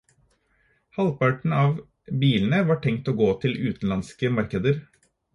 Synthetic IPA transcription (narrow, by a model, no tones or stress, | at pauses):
hɑlpɑʈɳ̩ɑːʋ | biːln̩əʋɑːʈʰɛŋt̪oːɡoːt̪ʰɪlʉːt̪n̩lɑnskəmɑɾkəd̪əɾ